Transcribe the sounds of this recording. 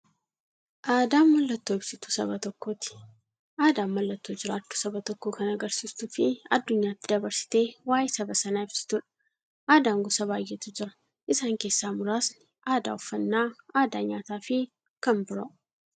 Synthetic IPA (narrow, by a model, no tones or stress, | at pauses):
ʔaːd̪aːmːɐlːɐt̪ːoːɪbsɪt̪u̥sɐ̰bɐt̪ɔkːo̞ːt̪ɪ̥ | ʔaːd̪aːmːɐlːɐt̪ːoːd͡ʒɪɾaːt̪ːʊ̥sɐbɐt̪ɔkːo̞ːkɐnɐɡɐɾsiːst̪uːfɪɐd̪ːʊɲːaːt̪ːɪd̪ɐbɐɾsɪ̥t̪e̞ːwaːjɛsɐbɐsɐnaːɪbsɪ̥t̪ʊᶑɐ̥ | ʔaːd̪aːŋɡɔsɐbaːjːɛt̪ʊd͡ʒɪɾɐ̥ | ʔɪsaːŋke̞ːsːaːmʊɾaːsnɪʔaːd̪a̰ːʊfːɐnːaːaːd̪aːɲaːt̪aːfɪ | kɐmbʊɾoʔ